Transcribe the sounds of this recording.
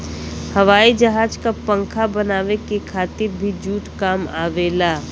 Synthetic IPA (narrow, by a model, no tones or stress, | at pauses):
həʋaːid͡ʒəɦaːd͡ʒkapə̃ŋkʰabənaːʋekekʰaːt̪ɪɾbʱid͡ʒuːʈkaːma̰ːʋeːla